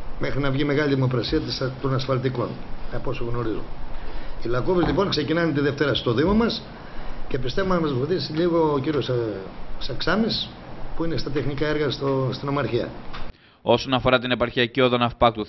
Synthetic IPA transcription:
mexɾinɐvʝime̞ɣɐlʲiðimo̞kɾɐsiɐt̪ist̪o̞nɐsfɐlt̪iko̞̰nɐposoɣno̞ɾizum | ilɐkovizlipo̞ŋkse̞cinɐnet̪iðe̞ft̪e̞ɾɐst̪o̞ðimomɐs | ce̞pist̪evomenɐmɐzvoθisiʎiɣo̞ːciɾios | sɐksɐmis | puinest̪ɐt̪e̞xnikɐeɾɣɐst̪ost̪inomɐɾçiɐ̰ | o̞so̞nɐfo̞ɾɐt̪ine̞pɐɾçiɐcioðo̞nɐfpɐkt̪u

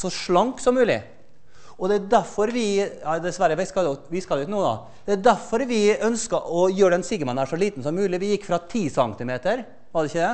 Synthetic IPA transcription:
sɔʂɭɑŋksɔmːʉːlɪ̰ | ɔd̪ɛæd̪æɾfɔɾʋɪjɑd̪ɛsʋæɾəʋɪskɑld̪ɛʋɪskɑlɛʉt̪nuːəd̪ɑ̰ | d̪̥ɛæd̪æɾfɔɾʋɪœnskəʔɔjøːɖɛnsiɡəmɑnæʂɔliːt̪n̩sɔmːʉːlɪʋɪjɪkːfɾɑt̪ʰiːsɑŋt̪ɪmeːt̪əɾ | ʋɑd̪ɛɪçəd̪ɛ

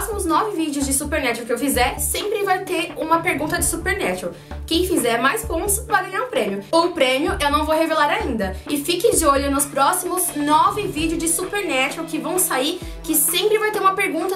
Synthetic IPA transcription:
simʊznɔvɪvid͡ʒɪʊzd͡ʒɪsupeɾnɛt͡ʃewkɪewfizɛɾsẽmpɾɪvajt̪eɾũmɐpeɾɡũnt̪ɐd͡ʒɪ̥supeɾnɛt͡ʃɛw | kẽj̃fizɛɾmajspõnt̪ʊ̥svajɡɐ̃ɲaɾʊ̃pɾẽmjʊoʊpɾẽmjʊʔewnɐ̃w̃vowhevelaɾaĩnd̪ɐɪfikɪd͡ʒɪoʎʊnʊspɾɔsimʊznɔvɪvid͡ʒɪʊzd͡ʒɪsupeɾnɛt͡ʃewkɪvɐ̃w̃saiɾ | kɪsẽmpɾɪvajt̪eɾũmɐpeɾɡũnt̪ɐ

